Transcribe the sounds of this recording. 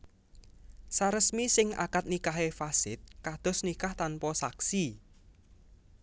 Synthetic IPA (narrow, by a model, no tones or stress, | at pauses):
saɾəsmisɪŋa̰kat̪̚nikaɦefasɪ̰t̪̚kad̪̥ɔ̤snikaht̪anpɔsaksi